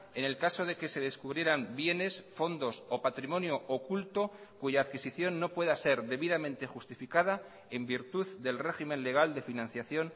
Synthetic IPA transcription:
e̞ne̞lkaso̞ðeke̞se̞ðe̞skuβɾje̞ɾambje̞ne̞sfo̞nd̪o̞so̞pat̪ɾimõ̞njoʔokult̪o̞kuʝaːðkisiθjo̞nːo̞pwe̞ðase̞ɾðe̞βiðamẽ̞nt̪e̞xust̪ifikaða | e̞mbiɾt̪uððe̞lre̞ximẽ̞nle̞ɣ̞ald̪e̞finãn̟θjaθjo̞n

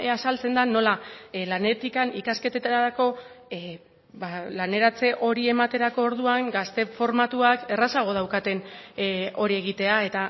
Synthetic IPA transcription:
asalt͡se̞nd̪ano̞lalane̞t̪ikanikaske̞t̪et̪aɾaɾako̞ | balane̞ɾat͡se̞ʔo̞ɾie̞mat̪e̞ɾako̞ːɾðuaŋɡast̪e̞fo̞ɾmat̪uake̞rasaɣ̞o̞ð̞awkat̪e̞n | o̞ɾie̞ɣ̞it̪e̞ae̞t̪a

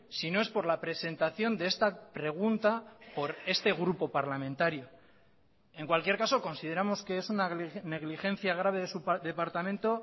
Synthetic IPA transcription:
sino̞e̞spo̞ɾlapɾe̞se̞nt̪aθjo̞nd̪e̞est̪apɾe̞ɣ̞unt̪apo̞ɾe̞st̪e̞ɣ̞ɾupo̞paɾlamẽnt̪aɾjo | e̞ŋkwalkje̞ɾkaso̞ko̞nsið̞e̞ɾamo̞ske̞esunane̞ɣlixẽ̞n̟θjaɣ̞ɾaβe̞ðe̞supðe̞paɾt̪amẽ̞nt̪o̞

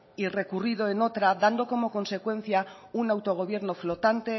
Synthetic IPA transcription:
ire̞kurið̞o̞eno̞t̪ɾaðand̪o̞ko̞mo̞ko̞nse̞kwe̞n̟θjaunawt̪o̞ɣ̞o̞βje̞ɾno̞flo̞t̪ant̪e

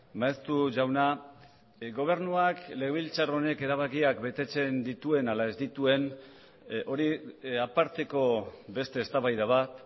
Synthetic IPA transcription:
maest̪uʝawna | ɡo̞β̞e̞ɾnuakle̞ɣeβilt͡saro̞ne̞ke̞ɾaβ̞akiakbe̞t̪e̞t͡se̞nd̪it̪ue̞nalae̞zd̪it̪ue̞n | o̞ɾiapaɾt̪e̞ko̞be̞st̪e̞ːst̪aβajðaβ̞at̪

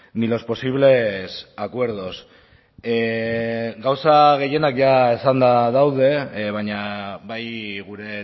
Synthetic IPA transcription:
nilo̞spo̞siβ̞le̞sakwe̞ɾð̞o̞s | ɡawsaɣe̞je̞nakʝaesand̪aðawðe̞βaɲaβajɣuɾe̞

